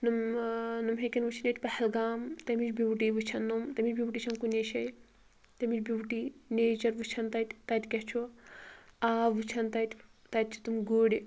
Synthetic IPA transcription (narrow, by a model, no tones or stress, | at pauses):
numnumɦekʲinʋɨt͡ʃʰinʲet̪ʲpɐhɐlɡaːmt̪ɐmit͡ʃbʲiwʈiʋɨt͡ʃʰɐnːumt̪ɐmit͡ʃbʲiwʈit͡ʃʰɐmkuneʃɐj | t̪ɐmit͡ʃbʲiwʈineːt͡ʃɐɾʋɨt͡ʃʰɐnt̪ɐt̪ʲt̪ɐt̪ʲkʲɐht͡ʃʰu | aːʋɨt͡ʃʰɐnt̪ɐt̪ʲʰ | t̪ɐt̪̚ʲt͡ʃʰi̥t̪umɡuːɽʲi